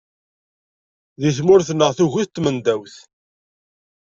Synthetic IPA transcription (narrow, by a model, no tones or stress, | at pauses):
ðiθmʊɾθənːəʁθuʝuθt̪ːmənd̪æwθ